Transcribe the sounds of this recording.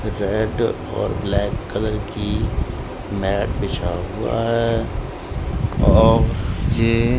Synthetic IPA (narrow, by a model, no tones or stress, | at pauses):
ɾeɖ | ɔ̰ːɾblɛːkːələɾki | mɛːʈbɪt͡ʃʰaɦʊa̰ɦɛɛ | ɔːɾjeː